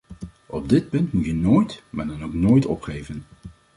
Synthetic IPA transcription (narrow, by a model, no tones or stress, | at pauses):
ɔb̚dɪt̚pɵntmutjənoːjtma̰ːɹdɑnowknoːjtʰɔ̰pχejvən